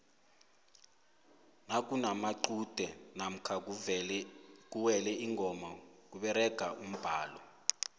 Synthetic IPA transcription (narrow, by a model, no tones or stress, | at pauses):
nakʼunamaǃud̥ʱɛnam̩kʰa | k̬ʼuwɛlɛiŋʱɔmak̬uɓɛɾɛɡ̥ʱaʔum̩b̥ʱaːlɔ